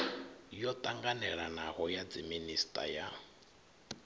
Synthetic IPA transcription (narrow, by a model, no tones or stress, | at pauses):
jɔt̪ʼaŋɡanɛɺanaɦɔjad͡ziministʼa̰ja